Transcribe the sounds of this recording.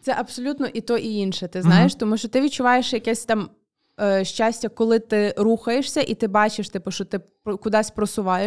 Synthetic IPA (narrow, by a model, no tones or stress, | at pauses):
t̪sɛʔɐbsɔlʲut̪nɔʔit̪ɔʔiinʃɛt̪ɪznɑjeʃt̪ɔmuʃt͡ʃɔt̪ɪʋʲid̚t͡ʃʊʋɑjeʃjɐkɛsʲt̪ɑm | ʃt͡ʃasʲtʲɐkɔlˠɪt̪ɪɾuxɐjeʃsʲɐʔit̪ɪbɑt͡ʃeʃt̪ɪpʊʃt͡ʃɔt̪ɪ | kʊd̪ɑsʲpɾɔsʊʋɑje